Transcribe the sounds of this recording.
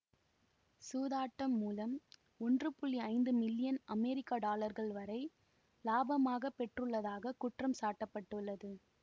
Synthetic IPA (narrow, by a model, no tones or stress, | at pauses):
suːðaːʈːɐmːuːlɐm | ɔndrɯpʊɭːiɐɪnd̪ɯmɪlːɪjɐnɐmɛɾɪkːaːɖaːlɐɾɣɐɭʋɐɾɐɪ | laːbɐmaːɣɐpːɛʈrɯɭːɐðaːɣɐkʊʈrɐmsaːʈːɐpːɐʈːɯɭːɐðɯ